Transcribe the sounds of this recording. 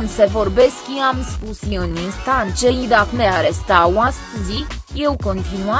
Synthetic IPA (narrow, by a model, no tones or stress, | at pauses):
ɨnse̞vo̞rbe̞skjiamspusjiɨninst̪ant͡ʃejid̪akneaɾest̪awaskuzikje̞wko̞nt̪inua